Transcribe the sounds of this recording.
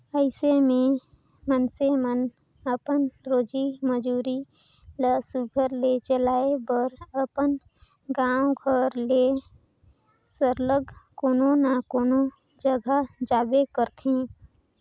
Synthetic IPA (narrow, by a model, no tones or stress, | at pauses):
əɪsemẽ | mənsemən | əpənɾoːd͡ʒiməd͡ʒuːɾi | ləsuɡʱəɾlet͡ʃəlaːebəɾəpən | ɡãːwɡʱəɾle | səɾləɡkoːnonakoːno | d͡ʒəɡʱad͡ʒaːbekəɾt̪ʰẽ